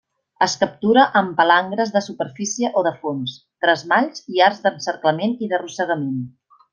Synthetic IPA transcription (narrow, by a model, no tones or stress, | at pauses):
əskəp̚t̪uɾəʔəmpəlaŋɡɾəzðəsupəɾfisiəʔoðəfons | t̪ɾəzmaʎziarzd̪ənsəɾkləmeniðərusəɣ̞əmen